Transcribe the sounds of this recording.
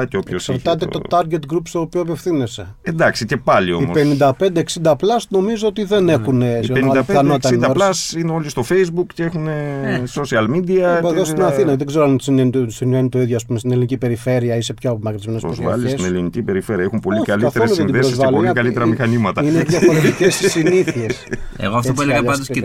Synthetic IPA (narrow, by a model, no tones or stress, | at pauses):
ceopçosksɐɾt̪ɐt̪eo̞t̪ɐɾɡet̪ɡɾupst̪oːpioɐpe̞fθinese̞end̪ɐksice̞pɐlio̞imope̞nind̪ɐpe̞nd̪eːksind̪ɐplɐsno̞mizoot̪iðene̞xunesiɣoɐɐlɐnot̪sɐid̪ɐɾɐsineo̞list̪o̞fejzbukceexunesosiɐlmid̪iɐboɾðossiinɐθinɐðeɡze̞ɾoɐnsinensinvenit̪o̞iðʝoɐspumest̪inelinicipe̞ɾife̞ɾiɐise̞pçoɐpomɐkɾtizmenespɾozvɐ̰llissesinelinicipe̞ɾife̞ɾiɐexumpo̞likɐlift̪eɾɾesliðed̪eɾozvɐluolkɐlit̪eɾɐmixɐnimɐt̪ɐinevʝɐffoɾet̪icessiniθiesḛɣoɐft̪opueleɣɐɐnd̪os